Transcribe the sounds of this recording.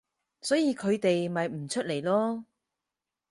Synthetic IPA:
sɔː˨˥jiː˨˧kʰɵ˨˧ɥt̪e˨jmɐ˨jm̩˨˩t͡ʃʰɵ˥t̚le˨˩jlɔː˥

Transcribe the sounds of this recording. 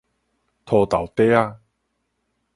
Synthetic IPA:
t̪ʰɔː˧t̪a˨˩wt̪e˦a˧

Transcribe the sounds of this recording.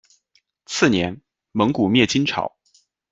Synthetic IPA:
t͡sʰɹ̩˥˩njɛ˧˥n | mɤ˧˥ŋku˨˩mjɛ˥˩t͡ɕi˥nʈ͡ʂʰɑ̰˨˩˦ʊ

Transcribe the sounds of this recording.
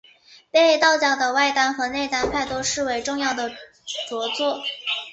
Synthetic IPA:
pe˥˧˥t̪ɑ˥˩ʊt͡ɕjɑ˨˩ʊd̪ə˩wa˥˩ɪt̪a˥nxɤ˧˥ne˥˩ɪt̪a˥npʰa˥˩ɪt̪o˥ʊʂɻ̩˥˩we˨˩ɪʈ͡ʂʊ˥˧ŋjɑ˥˩ʊd̪ə˩ | t͡swɔ˧˥t͡swɔ˥˩

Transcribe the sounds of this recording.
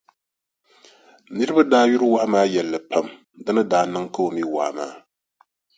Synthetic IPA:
nɨ˦ɾɨ˦ba˦daː˦ju˦ɾɨ˦wa˦maː˦jɛ˨lːɐ˨pʰa˦m | dɨ˦nɨ˦daː˨nɨ˦ŋka˦o˨mi˦wa̰˨ʔma̰ː˦

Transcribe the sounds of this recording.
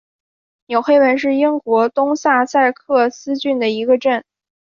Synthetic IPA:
njo˨˩ʊxe˥ɪwə˧˥nʂ̬ɻ̩˥˩i˥ŋkwɔ˧˥t̪ʊ˥ŋsa˥˧sa˥˧˩ɪkʰɤ˥˩sɹ̩˥t͡ɕy˥˩nd̪ə˩i˧˥ɡə˧ʈ͡ʂə˥˩n

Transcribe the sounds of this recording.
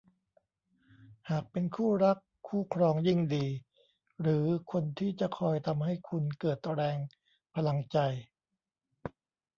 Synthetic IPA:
haː˨˩k̚pe˧nkʰuː˥˩ɾa˦˥kʰːuː˥˩kʰɾɔː˧ŋji˥˩ŋdiː˧ | ɾɯː˩˦kʰo˧nt̪ʰiː˥˩t͡ɕa˨˩ʔkʰɔː˧jt̪ʰa˧mha˥˩jkʰu˧nkɤː˨˩t̪̚ɾɛː˧ŋ | pʰa˧la˧ŋt͡ɕa˧j

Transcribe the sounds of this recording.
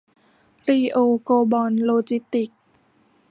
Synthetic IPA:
ɾiː˧ʔoː˧koː˧bɔː˧nloː˧t͡ɕi˦˥t̪ːi˨˩k̚

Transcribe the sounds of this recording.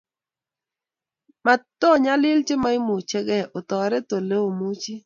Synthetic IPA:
ma˨tɔ˦˨ɲa˦lɪ˦lt͡ʃɪ˦ma˦ɪ˦mu˨t͡ʃe˦ɡɛ˦˨ʔo˨t̪ɔ˨ɾɛ˦to˨le˦o˨mu˦t͡ʃi˦

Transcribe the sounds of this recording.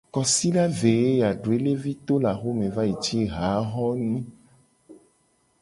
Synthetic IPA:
kɔ˨si˦ɖa˦ve˨e˦ja˨ɖo˨e˦le˦vi˦t̪o˦la˨xo˦mẽ˨va˦ji˨t͡ʃi˦ɦa˨˦ɦɔ˦nĩ˦

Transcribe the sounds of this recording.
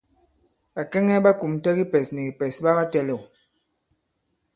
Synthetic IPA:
ɓa˨kɛ˦ŋɛ˦ba˦ku˨m˨tɛ˦ɡi˦pɛ˨snɛ˨ɡi˨pɛ˨sɓa˦ba˦tɛ˦lɛ˨

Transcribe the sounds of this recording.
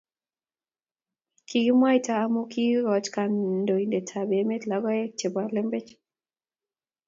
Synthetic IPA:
kʰi˨ɡi˦mwa˦i˦taː˨˦mo˦ki˦ɾɔ˨t͡ʃka˨ndo˨i˨nde˨tʰa˨be˨˦me˦tla˨ɡɔ˦ɛ˦t͡ʃe˨ba˨ɾle˦mbe˦t͡ʃ

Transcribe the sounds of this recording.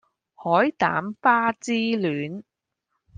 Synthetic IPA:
hɔː˨˥jt̪a̰ː˨˥mfaː˥t͡siː˥lyː˨˥n

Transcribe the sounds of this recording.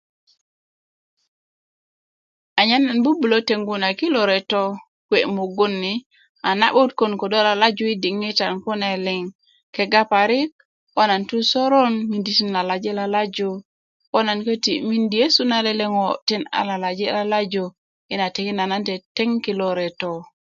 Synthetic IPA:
a˨ɲa˦na˨nbu˦bu˨lo˦te˨ŋɡu˦na˨ki˦lo˨ɾe˨to˦ | kwe˨mo˨ɡo˦nːi | a˨na̰˦ɓu˦tko˨nko˨do˦la˨la˦d͡ʒu˦i˦di˨ŋːi˦ta˨nku˦ne˨li˨ŋ | ke˨ɡa˦pa˨ɾi˦k̚ | wo˦na˨ntu˦so˦ɾo˦nmi˨ndi˨ti˦nla˨la˨d͡ʒe˦la˨la˦d͡ʒo˦ | wo˦na˨nkə˦ti˨mi˦ndi˨je˦su˦na˦le˦le˦ŋo˨ti˦na̰˨la˨la˨d͡ʒe˦la˨la˦d͡ʒo˨ | i˦na˨te˨ki˦na˨na˦nte˨te˦ŋki˨lo˨ɾe˨to˨

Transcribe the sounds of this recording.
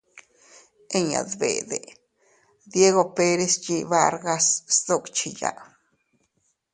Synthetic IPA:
e˦ɲa̰˨d̪bḛ˨d̪ḛ˨ | d̪je˦ɣo˧pe˦ɾe˧st͡ʃi˧βa˦ɾɡa˧ssd̪o˦kt͡ʃi˧ja̰˧˨ʔ

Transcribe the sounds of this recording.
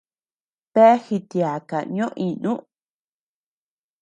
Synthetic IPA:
pe˦hi˧t̪ja˨ka˨ɲõ˦ʔĩ˧nũ˦ʔ

